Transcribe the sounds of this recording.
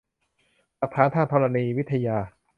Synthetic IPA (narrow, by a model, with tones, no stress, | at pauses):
la˨˩k̚t̪ʰaː˩˦nt̪ʰa˥˩nt̪ʰɔ˧ɾa˧niː˧wt̪ʰːa˧jaː˧